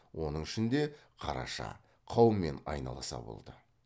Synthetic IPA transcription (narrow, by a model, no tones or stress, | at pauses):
wʔo̞nəŋɪʃɪnd̪e̞qʰɑɾɑ̰ʃɑ̰ | qʰɑwəmːe̞nɑjnɑ̰lˠɑsɑ̰bo̞̰lˠd̪ə